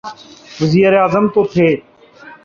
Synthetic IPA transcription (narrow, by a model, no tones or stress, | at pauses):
ʋəziːɾeaːzəmt̪oːt̪ʰeː